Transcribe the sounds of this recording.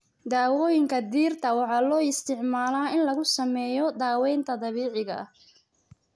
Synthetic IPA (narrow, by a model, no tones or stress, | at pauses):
d̪aːwɔːjɪŋkʰɐd̪iːrt̪ʰɐwɑħɑːlɔːɪst̪ʰɪʕmaːlaːɪnlɐɣʊsɐmɛːjɔd̪aːwɛjnt̪ʰɐd̪ɐβiːʕɪɣɐɐh